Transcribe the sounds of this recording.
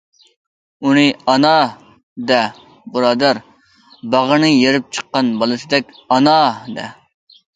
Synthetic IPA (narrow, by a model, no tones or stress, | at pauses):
unɨɑnɑ | d̪ɛ | bɨɾɑːd̪æɾ | bɑʁənɨjeɾɪp̚t͡ʃʰə̥qːɑnbɑlˠɨsɨd̪ɛkʲ | ɑnɑd̪ɛ̰